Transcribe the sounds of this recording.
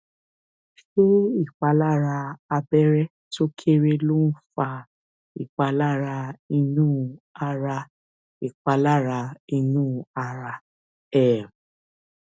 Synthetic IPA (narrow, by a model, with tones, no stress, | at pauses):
ʃo˦i˦˨k͡pa˨˧˦la˦˨ɾa˧a˧bɛ˦ɾɛ˦ | to˦kʰe˦ɾe˧lo˦n̩˦fa˧ | i˨k͡pa˧la˦˨ɾa˧i˧nũː˦˧a˧ɾa˧ | i˦˨k͡pa˧la˦˨ɾa˧i˧nũː˦˨˧a˧ɾa˧ | ɛ˦˨